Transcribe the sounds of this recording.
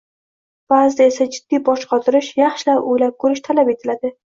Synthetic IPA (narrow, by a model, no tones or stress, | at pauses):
b̥azd̪ɪesad͡ʒɪd̪̥ːibɒʃqɒt̪ʰʊɾɪʃjɑχʃɪlapojlap̚kʰɵɾɪʃt̪ʰalape̞t̪ʰɪlad̪ɪ